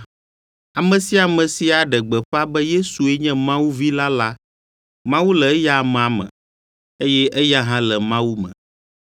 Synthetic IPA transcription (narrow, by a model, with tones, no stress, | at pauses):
a˨mɛ̃˨si˦a˨mɛ̃˨si˨a˨ɖɛ˨ɡ͡bɛ˨ɸa˦bɛ˦je˦su˨e˦ɲɛ̃˦mã˦wu˦vi˦la˦la˦ | mã˦wu˦lɛ˨˦ja˦˨m˨a˨mɛ̰̃˨ | e˦jɛ˦ʔɛ˦ja˦ɦã˦lɛ˨mã˦wu˦mɛ̰̃˨